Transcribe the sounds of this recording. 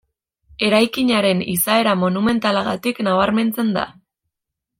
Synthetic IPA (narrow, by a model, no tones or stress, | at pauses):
e̞ɾajkiɲaɾe̞nisae̞ɾamo̞nume̞nt̪alaɣat̪iknaβ̞aɾme̞nt͡se̞nd̪a̰